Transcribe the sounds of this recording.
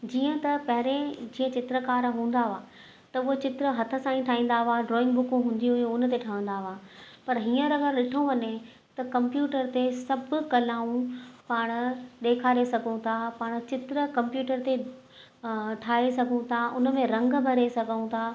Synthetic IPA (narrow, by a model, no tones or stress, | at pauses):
d͡ʑiːə̃t̪ɐpɐɦɪɾẽd͡ʑĩːə̃t͡ɕɪt̪ɾəkaːɾɦũːn̆d̪aʋaː | t̪ɐʊɦot͡ɕɪt̪ɾəɦɐt̪ʰə̆sãːĩʈʰaːɦĩːn̆d̪aʋaːɖɾɔːɪ̃ŋɡbʊkũɦũːnd̪iɦʊjũʊnt̪̬eʈʰɐʋə̃n̆d̪aʋaːpɐɾɦiːə̃ɾɐɡəɾɗɪʈʰõʋɐɲe | t̪ɐkɐ̃mpjuːʈəɾt̪esɐbʊkɐlaːũpaːɽ̃ʊ̆ɗ̪eːkʰaːɾesɐɡʱũt̪ʰapaːɽ̃̆t͡ɕɪt̪ɾə̆kɐ̃mpjuːʈəɾt̪e | ʈʰaːesɐɡʱũt̪ʰaʔʊnə̆mẽɾɐ̃ŋɡbʱɐɾesɐɡʱəũt̪ʰaː